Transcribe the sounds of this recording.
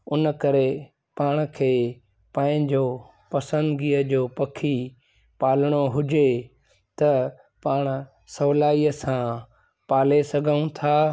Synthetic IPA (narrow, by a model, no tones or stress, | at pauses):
ʊnkɐɾe | paːɽ̃kʰeː | pãːɪ̃ɲd͡ʑoː | pɐsə̃nd̪ɡiːəd͡ʑoːpɐkʰi | paːlɽ̃oɦʊd͡ʑe | t̪ɐ | paːɽ̃̆ | sɐʋlaːiəsã | paːlesɐɡʱəũt̪ʰaː